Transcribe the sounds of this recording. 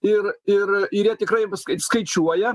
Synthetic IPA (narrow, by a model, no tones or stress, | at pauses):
ɪrɪrɪɾjɛt̪ʲɪkrɐɪskɐskɐɪt͡ʃʲuɔjɛ